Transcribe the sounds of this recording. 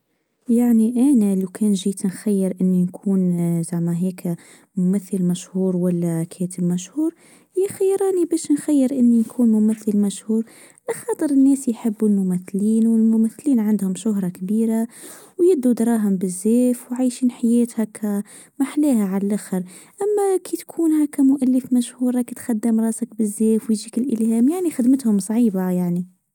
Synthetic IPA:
jaʕniʔæːnælikʰɛːnʒiːt̪nxajːɪɾʔɪnːinkʰuːnzamæɦɛːk | mʊmæθːəlmæʃhuːɾwælːækʰɛːt̪əbmæʃhuːɾ | jæxajːɾˤɑːnibɛːʃnxæjːəɾʔɪnːinkʰuːnmʊmæθːəlmæʃhuːɾ | laxɑːt̪ˤəɾɪnːɛːsjħɪbːulmʊmæθːliːnwɪlmʊmæθːliːnʕand̪hʊmʃʊɦɾˤɑkbiːɾa | wjɪd̪ːud̪ɑɾˤɑːɦʊmbɪzːeːfwʕajʃiːnħajɛːt̪hakʰæ | maħleːɦaʕallʔaxəɾ | ʔamːakit̪kʰuːnɦækːæmʊʔalːəfmæʃhuːɾˤɑkit̪xad̪ːɪmɾˤɑːsak̚bɪzːeːfwjʒiːkɪlʔɪlhɛːmjaʕnixɪd̪mɪt̪hʊmsˤɑʕiːbajaʕni

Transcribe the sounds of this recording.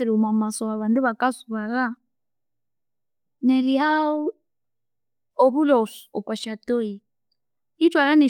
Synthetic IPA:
ɛɾumamasɔaβanduβakasuβala | nɛliɦau | ɔβulɔsu̥ɔpaʃatɔi | itwalanɛ

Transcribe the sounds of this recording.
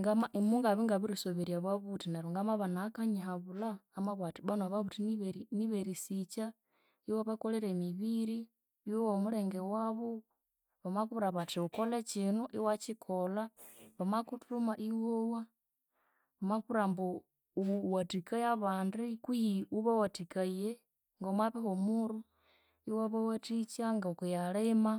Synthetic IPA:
ŋɡamaʔimuŋɡaβiŋɡaβuɾisoβeɾjaβaβutinaɾuŋɡamaβanakaɲiɦaβulaːmaβatiβanaβaβutiniβeɾiniβeɾisit͡ʃa | iwaβakoleɾemiβiɾi | iwowomuleŋɡewaβo | βamakuβuɾaβatiukolet͡ʃinuʔiwat͡ʃikʰolaβamakutumaʔiwowa | βamakuɾambo | uwatikajaβaːndikujiuβawatikaje | ŋɡamwaβehomuɾu | iwaβawatit͡ʃaŋɡakujalema

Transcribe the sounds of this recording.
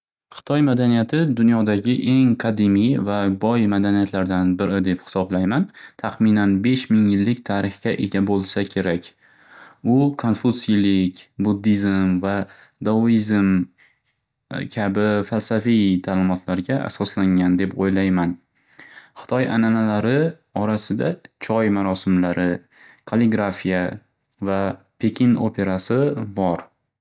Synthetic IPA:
χɨ̥t̪ʰɒjmad̪anijat̪ʰɪd̪ʊnjɒd̪aɡʲɪʔe̞ŋqʰɑd̪ɪmijvabɒjmad̪anijat̪laɾd̪anbɪɾɪd̪e̞phɪ̥sɒblajmant̪ʰaqmɪnanbe̞ʃmɪŋjɪlːɪkʲt̪ʰaɾɪχɡʲaʔe̞ɡʲabolˠsakʲʰe̞ɾakʲ | ʊkʰonfusilɪkʲbud̪ːizmva | d̪oizm | kʲʰabɪfalsafijt̪ʰaːlɪmɒt̪laɾɡʲaʔa̰sɒslaŋand̪e̞pojlajman | χɨ̥t̪ʰɒjananalaɾɪ | ɒɾasɪd̪at͡ʃʰɒjmaɾɒsɪmlaɾɪ | kʰalˠɪɡɾafija | va | pʰekʲʰino̰pʰe̞ɾasɪbɒɾ

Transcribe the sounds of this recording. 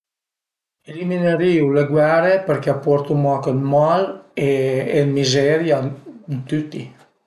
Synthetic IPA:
elimineɾiːuleɡwɛɾepeɾkɛapɔɾt̪umɔkelmaleelmizɛɾjant̪yt̪ːḭ

